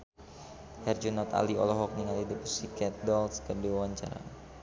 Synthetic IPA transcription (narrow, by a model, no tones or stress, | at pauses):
hɛrd͡ʒunɔt̪a̰liɔ̰lɔɦɔk̚niŋalidəpusikɛt̪̚dɔlskərdewawaɲt͡ʃa̰ɾa̰